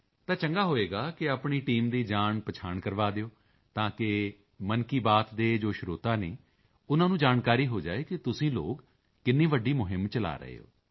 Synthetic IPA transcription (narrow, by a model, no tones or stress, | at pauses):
t̪ãːt͡ʃəŋɡaːɦoːeːɡaːkɪaːpɳiːʈiːmd̪iːd͡ʒaːɳpət͡ʃʰaːɳkəɾʋaːd̪eoː | t̪ãːkɪ | mənkiːbaːt̪d̪eːd͡ʒoːʃɾoːt̪aːneː | ʊnãːnũːd͡ʒaːnkaːɾiːɦoːd͡ʒa̰ːeːkɪt̪ʊsĩːlo̰ːɡ | kɪnːĩːʋəɖːiːmʊɦɪmt͡ʃəla̰ːɾə̰ḛːo̰ː